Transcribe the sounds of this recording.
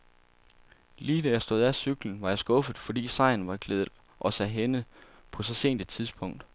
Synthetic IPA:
liːd̥æjɑ̈sd̥o̝ð̰ˠæsyɡ̥ln̩ʋɑ̈jɑ̈ɪsɡ̥ɔ̽fð̩ˠfɒ̽d̥ḭːsɑ̈ɪ̰n̩ʋɑ̈ɡ̥leːðˠð̩ˠ | ʔɒ̽sæɦenə | pʰɒ̽sɒ̽se̝̰ːnd̥ed̥t͡sʰiðˠsb̥ʰɔ̽ŋ̰d̥

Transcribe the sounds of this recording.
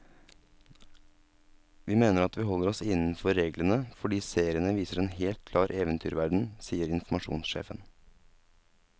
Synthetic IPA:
ʋiːmeːnəɾɑt̪ʋiːhɔləɾɔsɪnn̩fɔɾeːɡlənəfɔɖiːseːɾɪənəʋiːsəɾeːnheːlt̪̚kʰlɑːɾʔeːʋənt̪ʰy̰ːɾʋæɖɳ̩siːəɾɪnfmɑʃṵːnsʃḛːfən

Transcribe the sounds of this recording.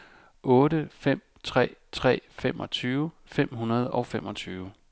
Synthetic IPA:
ʔɔ̽ːɾəfem̰ | t͡sʰʁɛ̰ːt͡sʰʁɛ̰ːfem̰ɒ̽t͡sʰyːʊə | fem̰ɦunɐð̞ˠɒ̽ʊfem̰ʔɒ̽t͡sʰyːʊə

